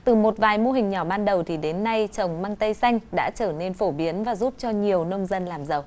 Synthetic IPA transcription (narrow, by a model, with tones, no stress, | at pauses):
t̪ɨ˨˩mo˨˩t̚vaː˨˩jmo˧ɦï˨˩ŋ̟ɲɔ˧˩ɓaː˧nɗə˨˩wt̪ʰi˨˩ɗe˨˦nːa˧jt͡ɕə˨˩wŋ͡mma˧ŋt̪ə˧jsa˧jŋ̟ɗa̰ː˧˥t͡ɕəː˧˩ne˧nfo˧˩ɓi˨˦ənvaː˨˩zu˦˥p̚t͡ɕɔ˧ɲi˨˩əwnə˧wŋ͡mzə˧nlaː˨˩mzə˨˩w